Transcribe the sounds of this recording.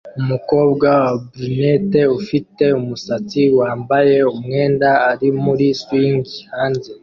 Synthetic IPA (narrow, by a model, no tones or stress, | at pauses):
umuko̞ːbɡawabɾinete̞ufite̞umusat͡siwaːmbaje̞umŋe̞ːndaːɾimuɾiswiːŋɡihaːnze̞